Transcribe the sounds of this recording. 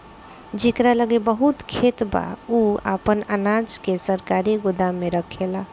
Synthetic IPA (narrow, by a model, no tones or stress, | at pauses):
d͡ʒekɾaləɡebəɦut̪kʰet̪ba̰ua̰pənənad͡ʒkesəɾkaɾiɡod̪ameɾəkʰela